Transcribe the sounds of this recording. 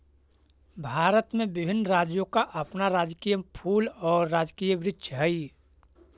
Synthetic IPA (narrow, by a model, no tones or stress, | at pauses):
bʱaːɾət̪mẽbɪbʱɪnːɾaːd͡ʒjõkaʔɐpnaɾaːd͡ʒkijəpʰuːlɔːɾːaːd͡ʒkiːjəbɾɪtʃʰəɦəi